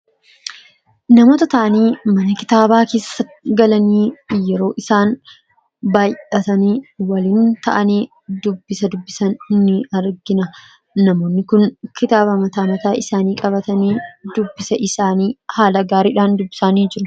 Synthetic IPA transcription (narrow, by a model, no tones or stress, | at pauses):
nɐmoːt̪ɐt̪ɐʔɐniːmɐnɐkɪt̪aːbaːke̞ːsːɐt̪ɡɐlɐniːjɛɾo̞ːʔɪsaːn | baːjʔʔɐt̪ɐniːwɐliːnt̪ɐʔɐniː | d̪ʊbːɪsɐd̪ʊbːɪsɐnhʊnːiːɐɾɡɪnɐ | nɐmo̞ːnːɪkʊnkɪt̪aːbɐmɐt̪aːmɐt̪aːʔɪsaːniːkʼɐβɐt̪ɐniːd̪ʊbːɪsɐʔɪsaːniːhaːlɐɡaːɾiːᶑaːnd̪ʊbːɪsaːniːd͡ʒɪɾʊ